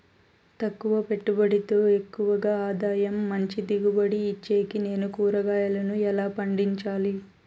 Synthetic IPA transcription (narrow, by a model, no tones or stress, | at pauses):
t̪ɐkːuʋɐpe̞ʈːubɐɽit̪oːe̞kːuʋɐɡaːaːd̪aːjɐmːɐɲt͡ʃid̪iɡubɐɽiːt͡ʃːeːkine̞ːnukuːɾɐɡaːjɐlɐnuɛlaːpɐɳɖiɲt͡ʃaːli